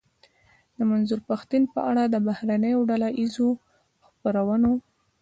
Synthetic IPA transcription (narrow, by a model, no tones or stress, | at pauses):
d̪əmanzuɾpaxt̪inpəʔaɽad̪əbahɾanəjoɖalaʔizo | xpəɾawəno